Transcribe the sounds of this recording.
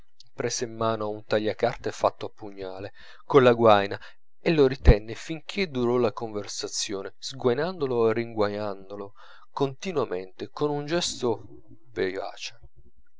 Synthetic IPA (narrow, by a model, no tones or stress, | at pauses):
pɾɛːsemːaːnoaunt̪aʎːakart̪efat̪ːoapːuɲːaːle | konlaɡwajna | elːoɾit̪ɛnːɪfiŋk̟ʰed̪uɾɔlakoɱversat̪sːjoːnɪz̥ɡwajnand̪oloeriŋɡwaɲand̪olo | kont̪inwament̪ɪkonund͡ʒɛst̪o | veva̰ːt͡ʃe̥